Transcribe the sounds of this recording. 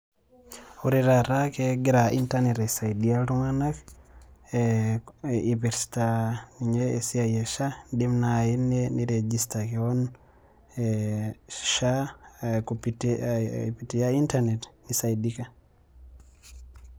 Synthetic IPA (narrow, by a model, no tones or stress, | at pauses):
uɾiɾaɾakɛɡiɾaʔintanɛtɛsajdialtuŋanak | ivɛɾsi̥taiɲɛːsiajɛʃadimnainːɛniɾed͡ʒistakɛɔn | ʃa | kpt | pitijaintanɛtnisajdika